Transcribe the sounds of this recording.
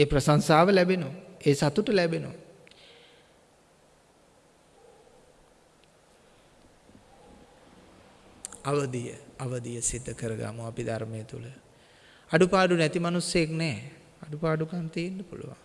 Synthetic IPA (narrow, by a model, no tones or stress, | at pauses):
eːpɾəsaŋsaːʋəlɛbenoeːsat̪uʈəlɛbeno̰ | aʋəd̪ijə̰aʋəd̪ijəsid̪ʱːəkəɾəɡa̰muapid̪ʱaɾmejət̪ṵlə | aɖupaːɖunɛt̪imanusjəjeknɛː | aɖupaːɖukamt̪iːnɖɐpṵlṵʋa̰ŋ